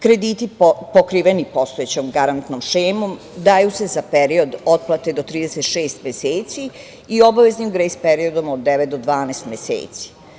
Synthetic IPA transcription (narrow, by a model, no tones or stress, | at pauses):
kɾe̞d̪iːt̪ipokɾiːʋenipo̞st̪oet͡ɕomɡaɾant̪nomʃeːmom | d̪aːjuse̞zapeɾio̞d̪o̞t̪̚plˠat̪ed̪ot̪ɾiːd̪eset̪ʃeːst̪mjeseːt̪si | io̞baʋe̞zniuɡɾeispeɾiod̪omod̪ːeʋet̪̚d̪od̪ʋaːnest̪mʲjesḛːt̪si̥